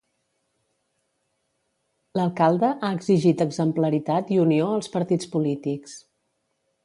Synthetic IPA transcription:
ləlˠkalˠd̪əʔaəɡziʒit̪əɡzəmpləɾit̪at̪iunioəlˠspəɾt̪it͡spulit̪iks

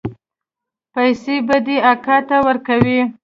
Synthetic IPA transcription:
pajsebad̪eakɑt̪awəɾkawi

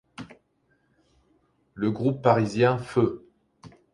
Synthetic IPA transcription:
ləɡʁupːaʁizjɛ̃fø

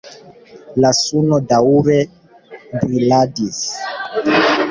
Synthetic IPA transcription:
lasunodauɾe | bɾiladis

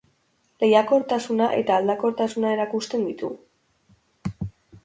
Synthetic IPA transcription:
le̞jako̞ɾt̪asunaʔe̞t̪aːld̪ako̞ɾt̪asunae̞ɾakust̪e̞nd̪it̪u

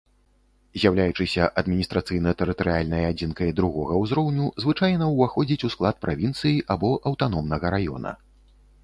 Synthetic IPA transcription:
zʲjawlʲajut͡ʂɨsʲɐʔɐd̪mʲinʲist̪ɾat̪sɨjnɐt̪ɛɾɨt̪ɐɾɨalʲnɐjɐad͡zʲinkɐjɐd̪ɾuɣɔɣɐwzɾɔwnʲuzvɨt͡ʂajnɐwvaxɔd͡zʲit͡sʲusklˠat̪̚pɾʔavʲint̪sɨjiʔabɔʔɐwt̪an̪ɔmnɐɣɐɾajɔ̰nɐ̰

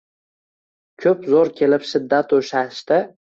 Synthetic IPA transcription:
kʲʰɵpzoɾkʲʰe̞lɪpʃɪd̪ːat̪oʃaʃt̪ɪ

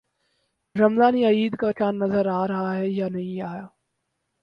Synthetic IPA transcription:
ɾɐmzaːniɐiːd̪kat͡ʃaːnːɐzəɾaːɾɐɦaɦɛjanɐɦĩaːjaː

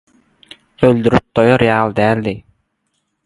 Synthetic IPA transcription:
øld̪yɾyp̚d̪̥ojoɾejɑːlˠd̪æːlːi

